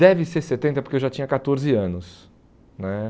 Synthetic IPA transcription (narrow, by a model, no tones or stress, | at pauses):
ɛvɪseɾset̪ẽnt̪ɐpoɾkeewʒat͡ʃĩɲɐkat̪oɾzɪɐ̃nʊs | nɛ